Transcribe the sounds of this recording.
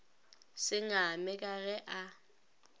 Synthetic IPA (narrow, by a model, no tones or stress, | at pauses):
sɪŋamɪkʼaɣɛʔa